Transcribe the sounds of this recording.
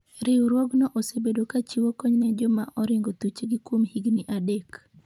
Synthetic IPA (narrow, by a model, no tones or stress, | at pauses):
ɾɪuɾwɔɡnɔʔosebedokat͡ʃiwokɔɲnɛd͡ʒɔmaʔɔɾɪŋɡot̪ut͡ʃeɡikwomhiɡniʔadek